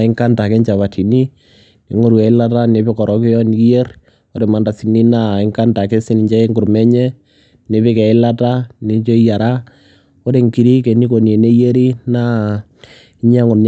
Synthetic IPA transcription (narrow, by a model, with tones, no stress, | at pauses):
ɪ˦ŋka˦nda˨ke˦ɲt͡ʃa˨βa˨tʰi˨ni˦ | ne˨ŋo˦ɾu˨ɛ˨ɪ˦la˦ta˦ne˨˦pe˦kɔ˨ɾɔ˨kɪ˦jɔ˦n˦ki˦e˦r | o˦ɾe˨ma˨nda˨si˨ni˦na˦˨ɪ˦ŋka˦nda˨ke˦si˦ni˨ɲd͡ʒa˦e˦ŋɡʊ˨ɾmɛ˦ɲɛ˦ | ne˨βe˦kɛ˨ɪ˦la˦ta˦ni˦ɲt͡ʃo˦ja˨ɾa˦ | o˦ɾe˨ŋki˨ɾi˦ke˨ni˦ko˨nje˨ne˦je˦ɾi˦na˦ | i˦ɲa˦ŋɔ˨nn